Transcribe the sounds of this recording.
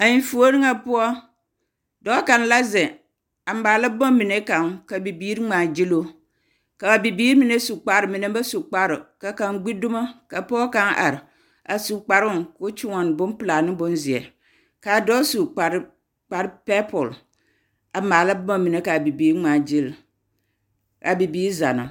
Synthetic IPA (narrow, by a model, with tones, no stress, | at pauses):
a˨ɲi˨˦fu˨˦o˦ɾi˦ŋa˨pʊ˦ɔ˦ | dɔ˦kã˨n˦la˦zɛ˨ | a˨˦aː˨la˦bmã˦mi˨ne˦ka˨ŋka˨bi˨biː˦ɾŋ͡mãː˨d͡ʒi˦lo˦ | ka˨ba˨bi˨biː˦ɾmĩ˨ne˦su˨k͡pa˨ɾɪ˨mĩ˨ne˦ba˦su˨k͡pa˦ɾɪ˨ka˨kã˨ŋ˦ɡ͡bi˦dʊ˦ma˦ka˨pʊ˦ɔ˦kã˦ŋa̰˨ɾɪ˨ | a̰˨su˨k͡pa˨ɾʊ˦ko˦t͡ʃi˦ŋɔ˨n˨bʊ˦npɨ˨la˨nɪ˦bʊ˦n˦zɪ˨ɛ˨ | ka˨dɔ˦su˨k͡pa˨ɾ | k͡pa˨ɾpɛ˦pʰɔ˨l | a˨maː˨la˦bʊ˦ma˦mi˨ne˨˦ka˨bi˨biː˨˦ɾŋ͡ma˨d͡ʒi˦l | ka˨bi˨biː˦ɾza̰˨na̰˨